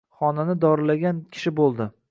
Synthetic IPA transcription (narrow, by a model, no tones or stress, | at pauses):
χɒnanɪd̪ɒɾɪlaɡʲankʲʰɪ̥ʃɪbolˠd̪ɪ